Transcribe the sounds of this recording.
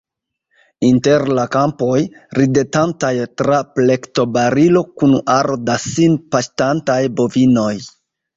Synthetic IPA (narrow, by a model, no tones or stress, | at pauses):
inte̞ɾlakampo̞j | ɾidetantajtɾaple̞kto̞baɾilo̞kunaɾdasinpaʃtantajbo̞vino̞j